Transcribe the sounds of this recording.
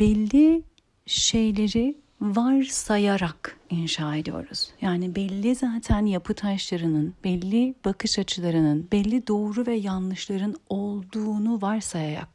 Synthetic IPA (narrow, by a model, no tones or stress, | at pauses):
b̥ɛlʲːi | ʃejlʲe̞ɾi | vaɾsajaɾakinʃaːe̞d̪ijo̞̰ɾuz̥jaːnibɛlʲːizaːt̪ʰænjapʰɯt̪ʰaʃlˠaɾɯnɯnbɛlʲːib̥akʰɯʃat͡ʃʰɯlˠaɾɯnɯnbɛlʲːid̪o̞ːɾuvɛjanlˠɯʃlˠaɾɯnolˠd̪uːnuvaɾsajaɾa̰k̚